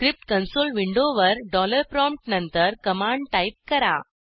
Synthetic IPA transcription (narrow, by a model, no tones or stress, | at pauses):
kɾip̚ʈkɐnsoːlʋiɳɖoʋəɾɖɔːləɾpɾɔ̃mʈnɐnt̪əɾkɐmaːɳɖ̚ʈajp̚kɐɾa̰